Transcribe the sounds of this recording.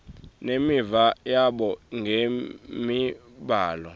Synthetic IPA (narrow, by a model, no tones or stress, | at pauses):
nemivajaɓɔŋɡʱemi | ɓaːlɔ